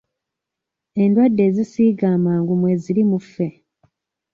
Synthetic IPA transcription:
e̞ndwadːe̞ːzisiːɡaːmaːŋɡumwe̞ziɾimufːe̞

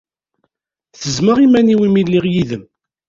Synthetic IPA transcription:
θəzməʁimæniwimilːiʁjiðəm

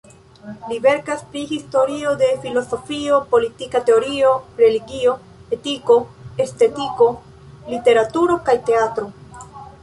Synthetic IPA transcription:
live̞ɾkaspɾihisto̞ɾio̞de̞filo̞so̞fio̞po̞litikate̞o̞ɾio̞ɾe̞liɡio̞ | e̞tiko̞e̞ste̞tiko̞ | lite̞ɾatuɾo̞kajte̞atɾo̞

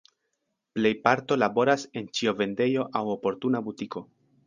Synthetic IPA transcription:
ple̞jpaɾto̞labo̞ɾase̞nt͡ʃio̞ve̞nde̞jo̞ʔawo̞po̞ɾtunabutiko̞

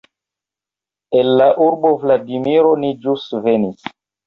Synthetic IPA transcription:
enːaʔuɾbo̞vladimiɾonid͡ʒusvenis

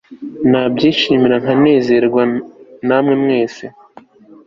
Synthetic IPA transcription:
nab̚ɟiːʃiːmiɾaŋ̥ane̞ːze̞ɾɡwanamŋe̞mŋe̞ːse

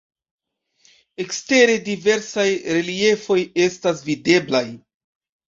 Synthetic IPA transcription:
e̞kste̞ɾe̞dive̞ɾsajɾe̞lie̞fo̞je̞stasvide̞blaj

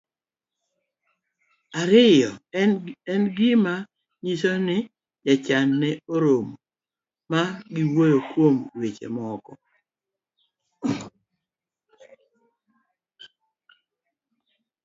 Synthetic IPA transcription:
aɾɪjɔ | ɛnɡɪma | ɲisonɪ | jat͡ʃanːɛoɾom | maɡɪwojokwomɾwet͡ʃḛmɔkɔ̰

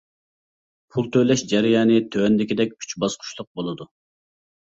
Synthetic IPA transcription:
pʰulˠt̪ʰøjlɛʃd͡ʒɛɾɪjɑːnɨt̪ʰøɛnd̪ɪkʲid̪ɛk̚ʲkʲʰy̥t͡ʃbɑsqʰʊ̥ʃlˠʊq̚bolˠɨd̪u

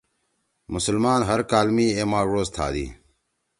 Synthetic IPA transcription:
mʊsəlmaːnɦəɾkaːlmiːeːmãːɻoːst̪ʰa̰ːd̪ḭː

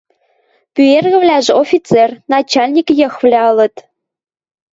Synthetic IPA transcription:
pyerɣɘ̆vlʲæʒɘ̆ofʲit̪t͡sernɑt͡ɕɑlʲnʲikjɤ̆xvlʲæɤ̆lɤ̆t̪

